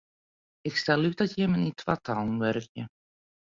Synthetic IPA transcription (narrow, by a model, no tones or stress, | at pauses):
ɪkstɛlˠytdɔtjɛmənitʰʋatʰalˠnʋɛɾkjə